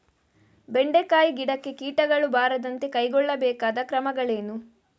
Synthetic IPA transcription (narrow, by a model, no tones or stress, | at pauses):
be̞ɳɖekaːjiɡiɽɐkːekiːʈɐɡɐɭubaːɾɐd̪ɐnt̪e̞kɐjɡɔɭːɐbɛːkaːd̪ɐkɾɐmɐɡɐɭeːnu